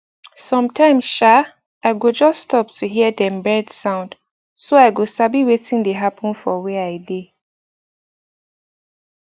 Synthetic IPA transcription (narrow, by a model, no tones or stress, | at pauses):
sɔ̃mtʰãɪ̃mʃa | aɪɡod͡ʒʌstːtɔp̚tʰuɦiədɛ̃mbɛdsãʊ̃nd̥ | soaɪɡosabiwetĩŋdeɦapɔ̃nfɔweaɪde